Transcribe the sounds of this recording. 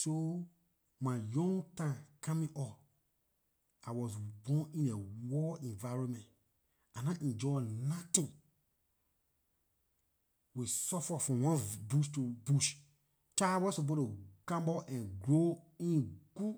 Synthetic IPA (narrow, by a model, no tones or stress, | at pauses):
so | majɔ̃ŋɡtãkʰamĩʔɔf | awɔsbɔ̃nĩnewɔɛ̃nvaɹɔ̃nmɛ̃nt | ãnãʔɛ̃nd͡ʒɔnatĩn | wisɔfɔfɹɔ̃mwɔ̃nbuʃtubuʃ | tawɔsobɔ̃tukãmbɔʔɛ̃nɡɹoĩnɡ̥u